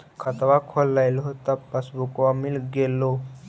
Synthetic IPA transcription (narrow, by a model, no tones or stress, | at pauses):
kʰət̪ʋakʰolːajlot̪əpəsbukʋamilɡelːo